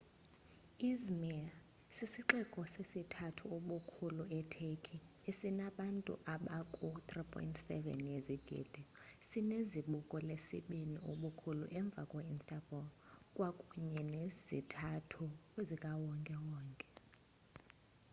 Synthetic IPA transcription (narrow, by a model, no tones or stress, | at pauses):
izmɛa | sisiǃɛkʼɔsesitʰatʰuoɓukʰuluɛtʰekʰi | esinaɓantʼṵʔaɓakʼut̪ripʰʼɔ̰jintʰʼsɛ̰vɛ̰njeziɡ̥ʱḭːd̥ʱɛsineziɓukʼɔlesḭɓinioɓukʰulṵʔɛɱb̪vʱakʼwainstʼabʱɔlkʼwakʼuɲɛnezḭtʰatʰuzikʼawɔŋkʼɛwɔːŋkʼɛ̥